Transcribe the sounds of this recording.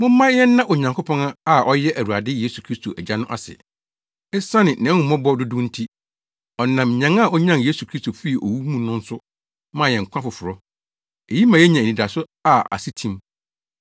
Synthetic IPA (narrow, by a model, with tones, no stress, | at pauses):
mʊ̃˦m̩ː˦ã˦jɛ˦nː˦ã˦ʔɔ˨ɲã˨ŋkʰo˦pʰɔ̃˦ŋa˦a˦˨ɔ˦jɛ˦ʔæ˨ɾu˨a˨dɪ˦je˦su˨kʰɾi˦stʰo˨ʔæ˨d͡ʑa˦nʊ̃˦ʔa̰˨sɪ̰˨ | ɛ˦sã˦nɪ̃˨nɛ̃˨˦ŋũ˨˦mɔ̃˦bɔ˦dʊ˦dʊ̃˦n̩˦tʰi˦ | ɔ˨nã˨m˨ɲã˨˦ŋa˦˨ɔ˦ɲã˦nje˦su˨kʰɾi˦stʰo˨fi˦i˨ʔɔ̰˨wu˦mũ˦nʊ̃˦n̩˦sʊ˦ | mãː˦˨jɛ̃˨ŋ̩˨kʷʰã˦fʊ˨fʊ˨ɾɔ˦ | e˨ji˦mã˨jɛ˦ɲã˨nĩ˨da˨sʊ˦ | a˨a̰˨si˦tʰĩ˦m